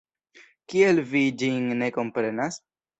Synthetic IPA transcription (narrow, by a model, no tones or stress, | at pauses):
kielvid͡ʒinne̞ko̞mpɾe̞nas